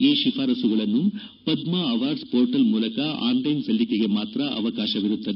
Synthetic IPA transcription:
iːʃifʰaːɾɐsuɡɐɭɐnːu | pɐd̪maɐʋaːɾɖspoːɾʈɐlmuːlɐkɐa̰ːnlɐjnsɐlːikeɡe̞maːt̪ɾɐʔɐ̰ʋɐkaːʃɐʋiɾut̪ːɐd̪e

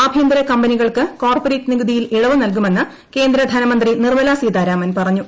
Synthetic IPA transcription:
abʱjend̪ɾɐkɐmbɐniɣɐɭkɨko̞ːrpoɾeːtːniɡɐd̪ʱijiliɻɐʋɨnɐlk̬ume̞nːɨ | ke̞ːnd̪ɾɐd̪ʱɐnɐmɐnd̪rinirmɐlasiːd̪aːɾaːmɐnpɐrɐɲːu

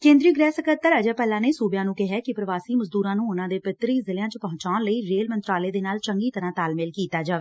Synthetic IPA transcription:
kẽːnd̪ɾioɡɾɛːsəkət̪ːəɾəd͡ʒaːpɛːlãːneːsuːbjãːnũːkɪɦɛːkɪpɾəʋaːsiːməzd̪uːɾãːnũːʊnãːd̪eːpɪt̪ɾiːzɪljãːt͡ʃəpɔɦʊ̃t͡ʃaːnləiːɾeːlmənt̪ɾaːleːd̪eːnaːlt͡ʃəŋɡiːt̪əɾãːt̪aːlmɪːlkiːt̪aːd͡ʒaːʋeː

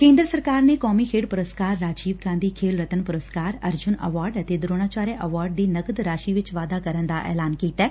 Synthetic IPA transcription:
kẽːnd̪ɾəsəɾkaːɾneːkɔːmiːkʰeːɽpʊɾəskaːɾːaːd͡ʒiːʋɡãːnd̪iːkʰeːlɾət̪ənpʊɾəskaːɾəɾd͡ʒʊnə̰ʋaːɾɖət̪eːd̪ɾoːñaːt͡ʃaːɾeʔəʋaːɾɖ̚d̪iːnəɡəd̪ɾaːʃiːʋɪt͡ʃʋaːd̪aːkəɾənd̪aːʔɛ̰ːlaːnkiːt̪ɛː

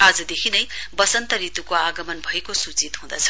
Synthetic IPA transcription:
ad͡zʌd̪ekʰinʌjbʌsʌnt̪ʌɾit̪ukoaɡʌmʌnbʱʌekosut͡sit̪ɦũd̪ʌt͡sʰʌ̥

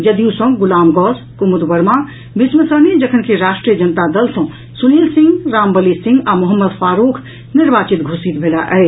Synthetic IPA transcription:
jəd̪iusə̃ɡulaːmɡɔs | kumud̪bəɾmã | bismət̪ɾənid͡ʒəkʰənkeɾaːʃʈɾijəd͡ʒənt̪ad̪əlsə̃ | sunilsĩŋɡɾaːmbəlisĩŋɡamuɦəmːəd̪fʰaːɾukʰ | niɾbaːt͡ʃit̪ɡʱusit̪bʱelaʔɛ

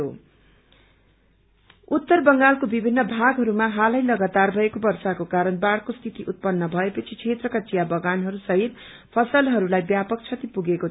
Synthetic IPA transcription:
o | ut̪ːʌrbʌŋɡalkobibʱinːʌbʱaɡɦʌɾumaɦalʌjlʌɡat̪arbʱʌekobʌrsakokaɾʌnbaɽkost̪ʰit̪iʔut̪̚pʌnːʌbʱʌepʌt͡sʰit͡sʰet̪rʌkat͡sijabʌɡanɦʌɾusʌɦit̪̚ | pʰʌsʌlɦʌɾulajbjapʌk̚t͡sʰʌt̪ipuɡeko

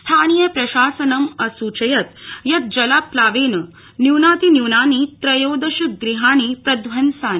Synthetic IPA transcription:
st̪ʰaːnijɐpɾɐʃaːsɐnɐmɐsuːt͡ʃɐjɐt̪jɐt̪̚d͡ʒɐlaːplaːʋeːnɐ | njuːnaːt̪injuːnaːniːt̪ɾɐjoːd̪ɐʃuk̪̚ɡɾiɦaːɳ̃iːpɾɐd̪ʋɐnsaːn

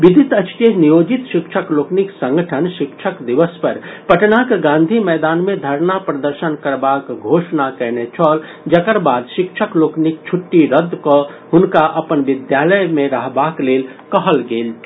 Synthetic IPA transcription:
ʋid̪ʱit̪ət͡ʃtenijod͡ʒit̪ʃikt͡ʃʰəklokniksə̃ŋɡəʈʰənʃikt͡ʃʰəkd̪iʋəspəɾpəʈnakeɡãnd̪ʱimɛːd̪anmẽd̪ʱəɾnapɾəd̪əɾʃənkəɾbakɡʱoʃnakɛɦnet͡ʃʰɔl | d͡ʒəkəɾbaːd̪ʃikt͡ʃʰəkloːknik̚t͡ʃʰuʈːiɾəd̪kɔ | ɦʊnkaʔəpənʋid̪jaləjmẽɾəɦbaklel | kəɦəlɡeːl

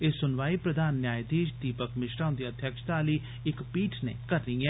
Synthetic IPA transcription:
eːsʊnʋaːipɾɐd̪ʱaːnːjaːjd̪iːd͡ʒd̪iːpəkmɪʃɾãːʊ̃nd̪iɐd̪ʱjəkʃt̪aːli | ɪkpiːʈʰnḛ̃kɐɾːəiɛː

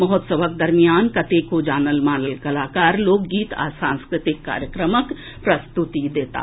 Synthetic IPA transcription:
mɐɦɔt̪səʋək̚d̪ɐɾmijaːnkɐt̪eːkod͡ʒaːnəlmaːnəlkɐlaːkaːɾloːɡɡiːt̪ʰa̰ːsãːnskɾɪt̪ɪkːa̰ːɾjəkɾəmək | pɾɐst̪ut̪id̪eːt̪a̰ː

